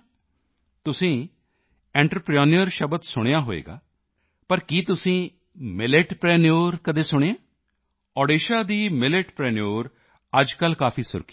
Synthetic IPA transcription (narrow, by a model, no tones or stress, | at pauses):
t̪ʊsĩː | ɛ̃ːɳʈɾəpɾijoːnijəɾʃəbət̪sʊɽ̃ejaːɦoːḛːɡa̰ː | pəɾkiːt̪ʊsĩː | mɪleʈpɾɛːnijoːɾkəd̪eːsʊɽ̃eãː | ɔːɖeːʃaːd̪iːmɪleʈpɾɛːnijoːɾ | əd͡ʒkəlkaːpʰiːsʊ̰ɾki̥